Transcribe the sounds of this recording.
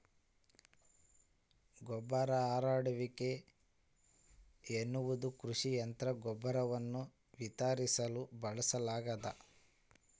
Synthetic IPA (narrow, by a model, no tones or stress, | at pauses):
ɡɔbːɐɾɐaːɾaːɽɐʋike | enːuʋud̪ukɾuʂijɐnt̪ɾɐɡɔbːɐɾɐʋɐnːu | ʋit̪aːɾisɐlubɐɭɐsɐlaːɡɐd̪ɐ̰